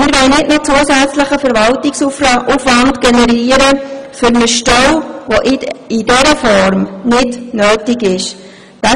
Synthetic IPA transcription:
mɪɾʋɛɪnɪtmɪt̚t͡suəsæt͡sləχəfəɾvɑltɪksufrɑufʋɑndɡ̥ɛnɛɾiːəɾəfʏɾnəʃtɔwʋoʔɪdɛɾəfɔɾmnɪdnøːtɪɡɪʃ | d̥ɑ

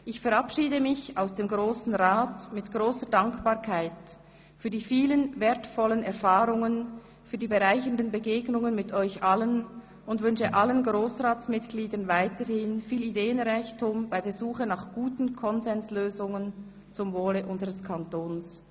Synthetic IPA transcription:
ʔɪçfɛʁapʃiːdəmɪçaʊsd̥eːmɡʁoːsn̩ʁaːtmɪtɡ̥ʁoːsədaŋkb̥aːɐʁkʰaɪt | fyːɐdiːfiːlənvɛːɐtfɔlənɛɐʁfaːʁʊŋən | fyːɐdiːbəʁaɪçəndənbəɡeːɡnʊŋənmɪtʰɔʏçʔalən | ʊndvʏnʃəʔalənɡʁoːsʁaːt͡smɪtɡ̥liːdɐnvaɪtəhɪnfiːlideːənʁaɪçtʊmb̥aɪdeːɐzuːχənaχɡ̥uːtn̩kʰɔnzɛnsløːzʊŋən | t͡sʊmvoːləʔʊnzəʁəskʰantoːns

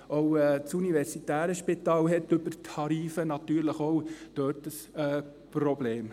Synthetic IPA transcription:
oʊɛt͡sunivɛɾsitæːɾəʃpit̪ɑːlɦɛtʏbərtʰɑɾiːfənɑt̪yːɾləχowd̥øːrtəsɛː | prɔbleːm

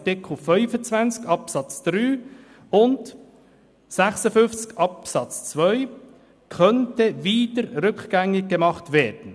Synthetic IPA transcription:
tɪkʰl̩fœʏfət͡svænt͡skɑpsɑt͡sd̪̥ɾyː | ʊnd | sɛχsəfʏnft͡skɑpsɑt͡st͡svœʏ | kʰœntəviːdəɾɾʏkɡ̥æŋɪɡ̚ɡ̥emɑχtvɛːɾd̥n̩

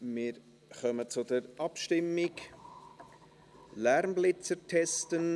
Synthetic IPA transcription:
mɪːɾ | χœmət͡sʊdəɾʔɑpʃtɪmːɪk | læɾmblɪt͡sətʰɛstən

